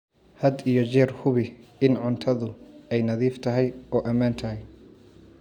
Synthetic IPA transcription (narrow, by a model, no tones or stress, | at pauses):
hɐd̪ijɔt͡ʃɛːrhʊβɪɪnʕʊnt̪ʰɐðʊɛjnɐðiːft̪ʰɐɦɛjɔːʔɐmaːnt̪ʰɐɦɛj